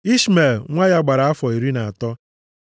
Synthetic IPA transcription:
i˦sme˨lŋʷa˦ja˦ɡ͡ba˨ɾa˨a˦fɔ˨i˨ɾi˦na˨a˨tɔ˦

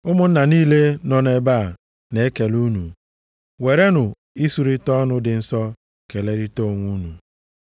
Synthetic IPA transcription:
ʊ˦mʊ˦n̩˦na˨niː˦le˦nɔ˦ne˦baː˦˨ | ne˨e˦ke˨lu˦nu˨ | we˨ɾe˦nʊ˨ | i˦su˨ɾi˦tɔ˦nʊ˦dɪ˨n̩˦sɔ˦ | ke˨le˦ɾi˦to˦˨ŋʷu˦nu˨

